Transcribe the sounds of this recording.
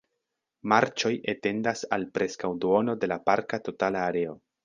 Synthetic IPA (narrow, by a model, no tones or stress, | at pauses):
maɾt͡ʃo̞jʔete̞ndasalpɾe̞skawduo̞no̞de̞lapaɾkato̞talaːɾe̞o̞